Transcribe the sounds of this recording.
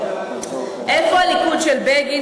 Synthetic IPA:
ɛfalikʰut͡ʃʰɛlbeɡ̬i

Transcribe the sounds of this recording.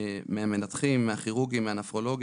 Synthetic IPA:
meamenat̪χimːeaχiʁuɡimeanafʁo̞lo̞ɡ

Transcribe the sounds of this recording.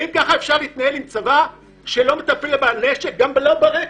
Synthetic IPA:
imkaχaefʃaʁleiːt̪naelimt͡sava | ʃelo̞met̪apelbaneʃek̚ɡambelobaʁe

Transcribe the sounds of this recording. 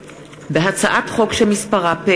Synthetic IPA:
beɦat͡saʔatχo̞kʃelmispaʁape

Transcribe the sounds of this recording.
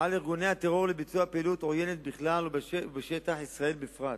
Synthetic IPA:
aliʁɡone̞hat̪e̞ʁo̞ʁlebit͡suapelut̪oje̞net̪̚biχlalbbeʃe̞t̪aħisʁae̞lbefʁat̪

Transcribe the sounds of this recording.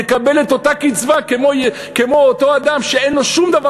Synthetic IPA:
ekabe̞le̞t̪o̞t̪akit͡svakemoj | kemo̞ot̪o̞ad̪amʃee̞nlo̞ʃumd̪ava

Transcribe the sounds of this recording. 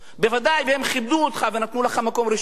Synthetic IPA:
be̞vad̪ajvehe̞mχibd̪uot̪χave̞nat̪nulaχamako̞mʁiʃ

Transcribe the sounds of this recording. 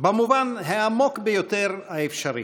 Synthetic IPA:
bemuvanɦeamo̞kbejot̪eʁhaefʃaʁḭ

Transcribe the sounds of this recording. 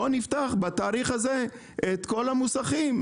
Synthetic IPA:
onift̪aχbat̪aːʁiχaze̞ | et̪ko̞lamusaχim

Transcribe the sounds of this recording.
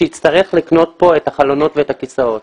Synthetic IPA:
ejit̪t͡st̪aʁeχlikno̞t̚po̞ethaχalo̞no̞tveetakisao̞t̚

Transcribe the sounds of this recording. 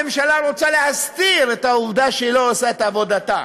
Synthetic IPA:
emʃalaʁo̞t͡sale̞hast̪iʁe̞t̪auvd̪aʃeiloosaet̪avo̞d̪at̪a̰

